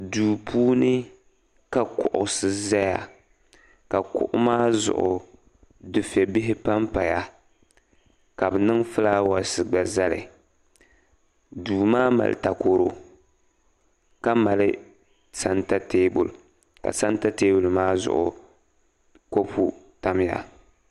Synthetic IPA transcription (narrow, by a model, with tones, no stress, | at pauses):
duː˨pʰuː˦nɨ˦ | ka˨kʊ˨ʔʊ˨sɨ˦za˦ja˨ | ka˨kʊ̰˨ʔʊ̰˦maː˦zʊ̰˨ʔʊ˨ | dɨ˨fɛ˨bɪ˦ɦɪ˦pa˦mpa˨ja˦ | ka˨bɨ˨nɨ˦ŋfɨ˦laː˦wa˨sɨ˨ɡ͡ba˨za˦lɪ̰˨ | duː˨maː˦ma̰˨lɨ̰˨ta˨ko˨ɾo˦ | ka˦ma˨lɨ˦ | sa˨nta˦teː˦bʊ˨l | ka̰˨sa˦nta˦teː˦bʊ˨lmaː˦zʊ̰˨ʔʊ˨ | ko˦pʰu˦ta˦m˦ja̰˨